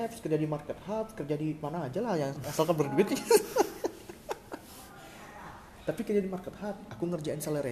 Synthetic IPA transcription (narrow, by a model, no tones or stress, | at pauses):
ɛpskəd͡ʒadimarkət̪̚hap̚kərd͡ʒadimanaːd͡ʒalahjaŋasalkanbərduɪt̪̚ɲa | t̪apikərd͡ʒadimarkət̪̚hap̚akuŋərd͡ʒainsaləɾe